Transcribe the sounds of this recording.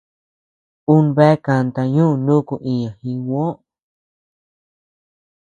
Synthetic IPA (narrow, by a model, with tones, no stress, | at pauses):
u˦nβe˦ka˧nt̪a˧ɲũ˦˧nũ˦ku˧ʔĩ˧ɲã˨hĩ˧wõ˦